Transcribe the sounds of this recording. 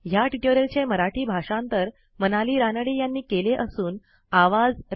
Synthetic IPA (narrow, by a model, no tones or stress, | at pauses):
jaʈiʈoɾəlt͡ɕeməɾaʈʰiːbʱaʂãnt̪əɾ | mənaliːɾanəɽejanːiːkeleʔəsuːn | aʋad͡z